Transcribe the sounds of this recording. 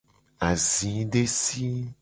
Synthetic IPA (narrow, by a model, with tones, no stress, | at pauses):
a˨zĩ˨˦ɖe˦si˦